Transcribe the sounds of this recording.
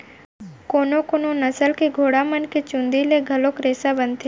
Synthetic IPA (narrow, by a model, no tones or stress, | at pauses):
konokononəsəlkeɡʱoɽamənket͡ʃũnd̪ileɡʱəlokɾesabənt̪ʰe